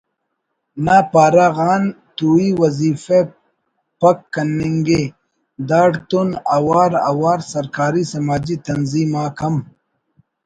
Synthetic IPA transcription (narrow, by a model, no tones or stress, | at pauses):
naːpaːɾaɣaːn | t̪uːiwɐziːfe | pɐkːɐnːiŋɡe | d̪aːɽt̪unɐwaːɾɐ̰waːɾsɐɾkaːɾisɐmaːd͡ʑit̪ɐnziːmaːkʰɐm